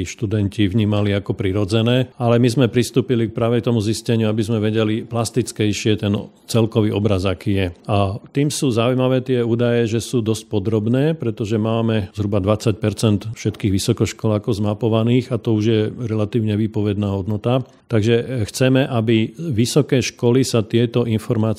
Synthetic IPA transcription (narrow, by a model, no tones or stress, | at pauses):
ʃt̪ud̪ɛnciʋɲiːmaliakɔpɾiɾɔd͡zɛnɛːalɛmizmɛpɾist̪uːpilik̚pɾaːʋɛt̪ɔmuziscɛɲɪuabizmɛʋɛɟɛliplast̪it͡skɛjʃɪɛt̪ɛn | t͡sɛlkɔʋiːʔɔbɾazakiːjɛat̪iːmsuːzaujmaʋɛːt̪ɪɛuːd̪ajɛʒɛsuːd̪ɔsc̚pɔd̪ɾɔbnɛːpɾɛt̪ɔʒɛmaːmɛzɦɾubad̪ʋat͡sac̚pɛɾt͡sɛnt̪fʃɛt̪kiːɣʋisɔkɔʃkɔlakɔzmapɔʋaniːɣat̪ɔuʒjɛɾɛlat̪iːʊɲɛʋiːpɔʋɛd̪naːɦɔd̪nɔt̪a | t̪aɡʒɛxt͡sɛmɛʔabiʋisɔkɛːʃkɔlisat̪ɪɛt̪ɔʔinfɔɾmaːt͡s